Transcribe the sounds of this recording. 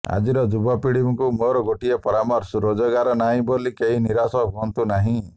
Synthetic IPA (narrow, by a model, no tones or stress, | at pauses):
a̰d͡ʒiɾɔd͡ʒubɔpiɽibɔŋkumoɾɔɡoʈiepɔɾamɔɾsɾod͡ʒɔɡaɾɔnaɦĩbolikeɦiniɾasɔɦuɔnt̪unaɦĩ